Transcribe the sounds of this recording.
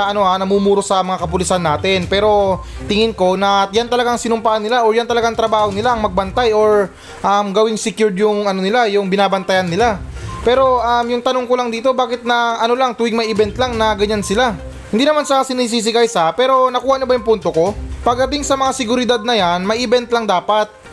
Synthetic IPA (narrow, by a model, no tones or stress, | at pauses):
ɐʔɐno̞hanɐmuːmuːɾo̞sɐmɐŋakɐpʊlɪsɐnːaːt̪ɪnpɛːɾo̞t̪ɪŋɪnko̞nɐjant̪ɐlɐɡaŋsɪnʊmpaːɐnːɪlaʔoɹjant̪ɐlɐɡaɐŋt̪ɾɐbaːho̞nɪlaʔɐŋmɐɡ̚bɐnt̪ajo̞ɹ | ʔɐmɡɐwɪŋsɪkjuɹd̪jʊŋɐno̞nɪlajʊŋbɪnaːbɐnt̪ɐjanːɪlapɛːɾo̞ʔɐmjʊŋt̪ɐno̞ŋko̞lɐŋd̪iːt̪o̞baːkɪt̪̚nɐʔɐno̞laŋt̪uːwɪŋmɐjʔɪbɛnt̪laŋnɐɡɐɲansɪla | hɪnd̪inɐmansɐasɪniːs̬iːs̬ɪɡajsɐpɛːɾo̞nɐkuːhɐʔɲʊbɐjʊŋpunt̪o̞ko̞pɐɡ̚d̪ɐt̪ɪŋsɐmɐŋasɪɡʊɾɪd̪ad̪̚nɐjanmɐjɪbɛnt̪lɐŋd̪aːpat̪̚